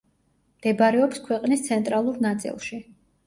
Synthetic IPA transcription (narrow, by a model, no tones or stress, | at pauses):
md̪̥ɛbaɾɛɔpskʰwɛqʼnist̪sʰɛnt̪ʼɾalˠuɾnat̪sʼḭlˠʃi